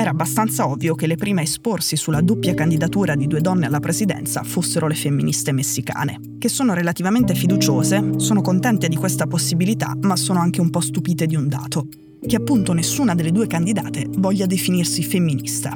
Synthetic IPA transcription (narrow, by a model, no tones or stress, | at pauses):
ɛːɾabːast̪ant̪saɔvːjokelːepɾiːmeesporsisulːad̪opːjakand̪id̪at̪uːɾad̪id̪uːed̪ɔnːealːapɾezid̪ɛ̰nt̪sa̰fosːeɾʔolefemːinist̪emesːika̰ːnḛ | k̟esːoːnoɾelat̪ivament̪efid̪ut͡ʃoːzesoːnokont̪ɛnt̪ed̪ikwest̪aposːibilit̪a̰masːoːnoaŋk̟eumpɔst̪upiːt̪ed̪iund̪a̰ːt̪o | keapːunt̪onesːuːnad̪elːed̪uːekand̪id̪a̰ːt̪evɔʎːad̪efinirsifemːinist̪a̰